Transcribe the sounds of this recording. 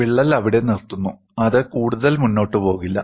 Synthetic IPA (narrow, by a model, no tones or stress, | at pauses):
ʋiɭːɐlɐʋiɽe̞nirt̪ːunːu | ɐðɨkuːɽuðɐlmunːo̞ːʈːɨpo̞ːɣilːɐ